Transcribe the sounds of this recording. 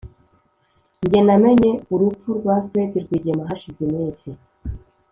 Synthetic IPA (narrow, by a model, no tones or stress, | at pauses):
ɲɟenameɲeuɾufuɾɡwafetiɾɡwiːɟemaɦaʃizimiːsi